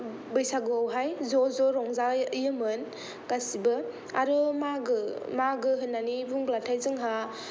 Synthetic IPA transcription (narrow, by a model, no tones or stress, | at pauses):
bɯjsaɡɯawɦajzɔzɔɾɔŋzaɯjɯmɯn | kasibɯ | a̰ɾɔmaɡɯmaɡɯɦɯnːanibuŋblatʰajzɯŋɦa